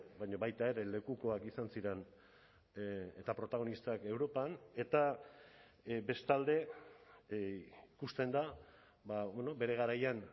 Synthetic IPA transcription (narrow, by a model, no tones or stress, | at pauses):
bajɲo̞βajt̪ae̞ɾe̞le̞kuko̞akisansiɾe̞n | et̪apɾo̞t̪aɣ̞o̞nist̪ake̞wɾo̞pane̞t̪a | be̞st̪ald̪e̞ | ikust̪e̞nd̪a | baβeno̞be̞ɾe̞ɣ̞aɾajan